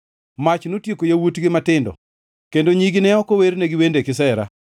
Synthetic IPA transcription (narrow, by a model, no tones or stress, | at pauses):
mat͡ʃnotjekojawutɡɪmatɪndɔ̰ | kendoɲiɡɪnɛɔkoweɾnɛɡɪwendekɪsɛɾa̰